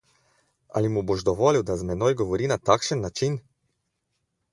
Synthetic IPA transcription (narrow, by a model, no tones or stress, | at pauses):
a̰limuboʒd̪ɔʋɔːliwd̪azmɛnojɡɔʋɔɾiːnat̪akʃənːat͡ʃin